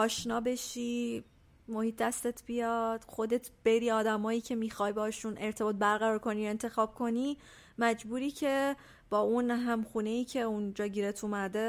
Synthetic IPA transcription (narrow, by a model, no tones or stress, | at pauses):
ʔɒːʃnɒːbe̞ʃi | mo̞hiːt̪̚d̪æst̪e̞t̪ʰb̥ijɒd̪̥xo̞d̪e̞t̪ʰb̥e̞ɾiːɒːd̪æmɒːjiːcʰe̞miːxɒjbɛhɒʃunʔe̞ɾt̪ʰe̞bɒːt̪̚bæɾɣæɾɒːɾkʰo̞nie̞nt̪ʰe̞xɒːb̥̚kʰo̞ni | mæd͡ʒbuːɾiːcʰe̞ | b̥ɒːunɦæmxuːne̞jiːcʰeund͡ʒɒːɟiːɾet̪ʰumæd̪e̞